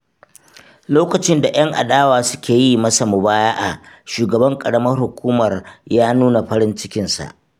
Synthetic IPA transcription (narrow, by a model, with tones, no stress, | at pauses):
loː˦kɐ˨t͡ʃɪ˦nda˨j̰ɐ˦ŋʔa̰˨ɗaː˦waː˨sʊ̥˦kʲeː˨ji˦mɐ˦sa˨mʊ˨baː˦jaː˦ʔa˨ʃuː˨ɡɐ˨bɐ˦ŋkʼɐ˨ɽɐ˦mɐ˦rhʊ˨kʷuː˦mɐ˨rjaː˦nuː˦na˨ɸɐ˦ɾɪ˦nt͡ʃɪ˦kʲɪ˨nsa̰˨ʔ